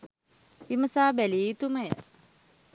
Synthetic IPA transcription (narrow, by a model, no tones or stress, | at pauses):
iməsaːbæliːt̪uməjə